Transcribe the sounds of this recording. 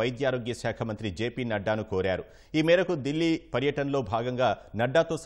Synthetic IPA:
ɐjd̪jaːɾo̞ːɡjɐʃaːkʰɐmɐnt̪ɾid͡ʒe̞ːpiːnɐɖːaːnukoːɾaːɾu | iːmɛːɾɐkud̪ilːiːpɐɾjɐʈɐnɐlo̞ːbʱaːɡɐŋɡaːnɐɖːaːt̪o̞ːs

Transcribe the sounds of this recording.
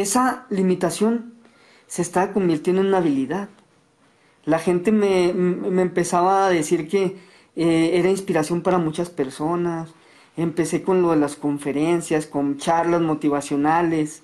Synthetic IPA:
esalimit̪asjo̞n | se̞ːst̪aako̞mbiɾt̪jend̪onunaβiliðað | laxe̞nt̪ememeːmpesaβaːðesiɾke | eeɾainspiɾasjo̞mpaɾamut͡ʃaspeɾsonas | empe̞se̞ko̞nloðelasko̞ɱfe̞ɾensjaskont͡ʃaɾlazmot̪iβasjo̞nales

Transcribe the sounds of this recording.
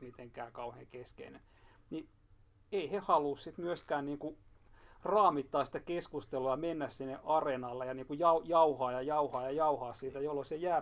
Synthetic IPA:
mit̪eŋkæːkɑuhḛːŋkeskḛinen | ni | eihehɑluːssit̪myøskæːnniːŋku | rɑːmit̪ːɑːsi̥t̪ækeskust̪eluɑmenːæssinːeʔɑrenɑlːejɑniːŋkujɑujɑuhɑːjɑjɑuhɑːjɑjɑuhɑːssiːt̪æjolːosejæː

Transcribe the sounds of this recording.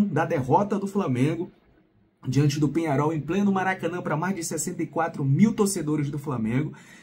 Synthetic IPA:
d̪ɐd̪eɦɔt̪ɐd̪ʊflamẽɡʊ | d͡ʒiɐ̃nt͡ʃɪd̪ʊpẽɲaɾɔwẽj̃plẽnʊmaɾakɐ̃nɐ̃pɾɐmajzd͡ʒɪsɛsẽnt̪ɐikwat̪ɾʊmiwt̪oɾsed̪oɾɪzd̪ʊflamẽɡʊ

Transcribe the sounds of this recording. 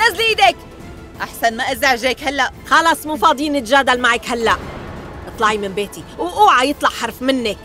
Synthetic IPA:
azliːd̪ek | ʔaħsanmaʔɪzaʕʒeːkhalːaʔxɑlɑsˤmufɑːd̪ˤiːnɪt̪ʒaːd̪almaʕekhalːaʔʔɨt̪ˤlɑʕimɪnbeːt̪iwʔuːʕajɨt̪ˤlɑʔħɑɾˤfmɪnːɪk

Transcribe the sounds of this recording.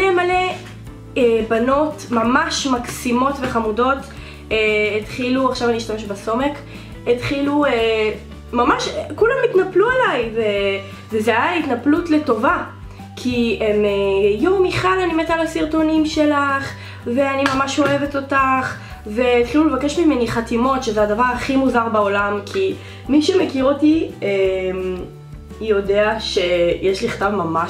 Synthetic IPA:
nemale̞ | ebano̞tmamaʃmaksimo̞tveχamudo̞t | eetχiluaχʃavaniʃtameʃbaso̞me̞k | etχilue | mamaʃkulamitnapluelajve | vezeajaitnaplutle̞to̞va | kʰiemejoʁmiχalanimetalesiʁto̞nimʃe̞laχ | veanimamaʃo̞e̞ve̞t̪o̞taχ | ve̞t̪χilulevake̞ʃmimeniχatimo̞tʃezeadavaʁaχimuzaʁbao̞lamkʰi | miʃemekiʁotiem | jo̞de̞aʃe̞jeʃliχt̪avmamaʃ

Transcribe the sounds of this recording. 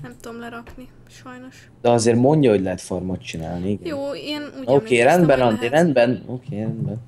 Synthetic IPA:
t̪ɾkni | d̪̥ɛɒzeːrmo̞ɲɟɒɦoɟlɛɦɛt̪formot̪t͡ʃina̰ːlniiɡɛn | okeːɾɛnd̪bɛnɒnd̪eɾɛnd̪bɛnoːkʰeːɾɛnd̪bɛn

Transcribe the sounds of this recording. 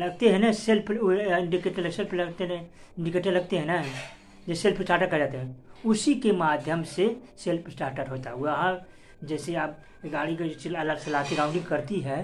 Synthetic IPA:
lɐɡt̪eɦɛ̃naselpɪ̃ɳɖikeːʈeləselplɐɡt̪enɪ̃ɳɖɪkeːʈə̃lɐɡ̚t̪eɦɛ̃na | d͡ʒeselpsʈaːɾʈəɾkːəd͡ʒaːt̪eɦɛ̃ʊsikemaːd̪ʱjəmseselpsʈaːɾʈəʈɦoːt̪aɦɛoɦã | d͡ʒɛːseaːb̚ | ɡaːɽikeot͡ʃiɐlasɐlaːt̪iɾãːʊ̃ɳɖɪ̃ɡkɐɾt̪iɦɛ

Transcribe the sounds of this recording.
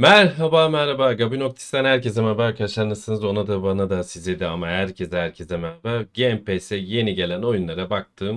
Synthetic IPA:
mæɾɦabaːmæɾɾabaːɡabino̞k̚t̪ʰi̥st̪anhæɾcezɛmaɾbaːɾkʰad̪aʃlˠaɾnˠasɯnɯzo̞nad̪abanad̪asizlʲed̪iamaɦæɾcʰezd̪ɛhæɾcʰezɛmæɾabaɟeɛmpʰesɛje̞niɟe̞lʲæno̞junlˠaɾabak̚t̪ʰɯːm

